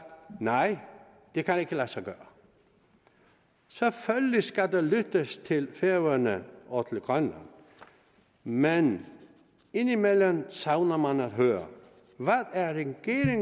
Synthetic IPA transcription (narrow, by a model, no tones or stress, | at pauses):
nɑɪ̰ | d̥e̝kʰæneɡ̥əlæsɑɡ̥ɶːɐ | seføllisɡ̥æd̥elyd̥əst͡sʰe̝lfeɐʋɐnəɒt͡sʰelɡ̥ʁœnlæ̰n | men | e̝nimelənsɑʊnɐmænæd̥ɦøːɐ | ʋæðæɐʁɛɡ̥e̝ːʁeŋ